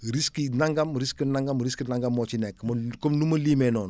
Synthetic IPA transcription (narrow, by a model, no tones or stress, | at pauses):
ɾiskinaŋɡamɾiskinaŋɡamɾiskənaŋɡamːot͡ʃinɛkmokomnumɐlimɛnɔːn